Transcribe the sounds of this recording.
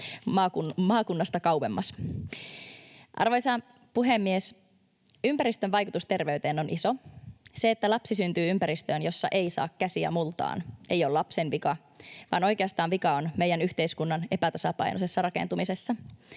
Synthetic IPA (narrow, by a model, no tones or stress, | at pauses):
mɑːkumɑːkunːɑst̪ɑkɑuʋemːɑs | ʔɑ̰rʋojsɑ | puɦemːies | ympæɾist̪øʋʋɑjkut̪ust̪e̞rʋe̞yt̪e̞ːno̞nʔiso̞se̞ːt̪ːælɑpsisynt̪yːympæɾist̪øːnjo̞sːɑʔe̞isɑ̰ːkːæsiæ̰mult̪ɑ̰ːne̞jolɑpsenʋikɑ | ʋɑ̰ːno̞jkeɑst̪ɑːnʋikɑonme̞jænyçt̪e̞iskunːɑne̞pæt̪ɑsɑpɑ̰jnose̞sːɑrɑkent̪umisesːɑ